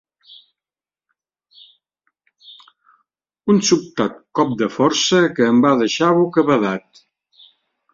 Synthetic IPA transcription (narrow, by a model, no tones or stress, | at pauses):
unsup̚t̪at̪̚kɔp̚d̪əfɔɾsəkəːmbaðəʃaβukəβəðat̪̚